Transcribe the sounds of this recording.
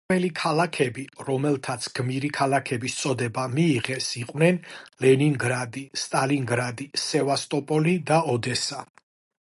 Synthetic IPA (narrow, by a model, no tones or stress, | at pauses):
ɛlikʰalakʰɛbiɾɔmɛlˠt̪ʰat̪sʰɡ̥miɾikʰalˠakʰɛbist̪sʼɔd̪ɛbamiːʁɛsiqʼwnɛnlɛniŋɡɾad̪ist̪ʼaliŋɡɾad̪isɛvast̪ʼɔpʼɔlid̪aɔd̪ɛsa